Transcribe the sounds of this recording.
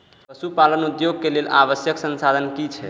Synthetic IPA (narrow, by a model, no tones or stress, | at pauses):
pəsupalənud̪joɡkelelaβəsjəksənsad̪ʱənkit͡ʃʰɛ